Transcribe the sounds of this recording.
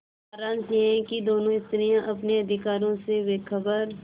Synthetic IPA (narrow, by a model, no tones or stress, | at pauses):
aːɾaːnt̪iɦɛ̃kid̪oːnõɪst̪ɾijãʔɐpneɐd̪ʱɪkaːɾõseʋeːkʰəbəɾ